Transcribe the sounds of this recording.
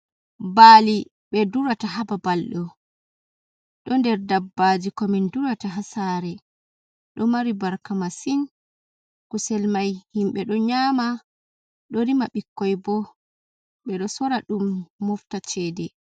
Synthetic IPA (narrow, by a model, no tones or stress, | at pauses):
baːli | ɓɛduɾataɦababalɗɔ | ɗɔndɛɾdabːaːd͡ʒikɔminduɾataɦasaɾɛ | ɗɔmaɾibaɾkamasin | kusɛlmajhimɓɛɗɔɲama | ɗɔɾimaɓikːɔjbɔ | ɓɛɗɔsɔɾaɗumːɔftat͡ʃɛːdɛ